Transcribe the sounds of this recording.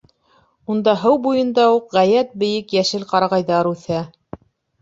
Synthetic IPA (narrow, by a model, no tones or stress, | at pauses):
und̪ɑɦɤwbujɤ̆nd̪ɑuqʁæjæt̪̚bɘ̆jɘkjæʃɘlqɑɾɑʁɑjðɑɾʉθæ